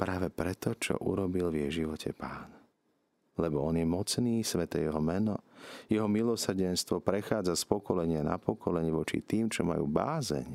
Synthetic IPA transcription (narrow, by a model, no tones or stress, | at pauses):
pɾaːʋɛpɾɛt̪ɔt͡ʃɔ̰ʔṵɾɔbilvjɛjʒiʋɔcʰɛ̰paːn | lɛbɔɔnjɛmɔt͡sniːsʋɛt̪ɛ̰jɛɦɔmɛnɔjɛɦɔmilɔsr̩ɟɛnst̪ʋɔpɾɛxaːd͡zaspɔkɔlɛɲɪana̰pɔkʰɔlɛɲiʋɔt͡ʃḭt̪iːmt͡ʃɔma̰jṵːba̰ːzɛ̰ɲ